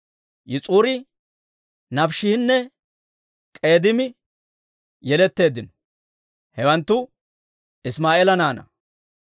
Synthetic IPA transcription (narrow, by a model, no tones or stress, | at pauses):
jɪt͡sʼuːɾɪ | nɐfʃɪhɪnːɛ | kʼe̞ːd̪ɪmɪ | jɛlɛt̪ːe̞ːd̪ːɪnɔ | hɛwɐnt̪ːʊ | ɪsmaːʔeːlɐnaːnɐ̰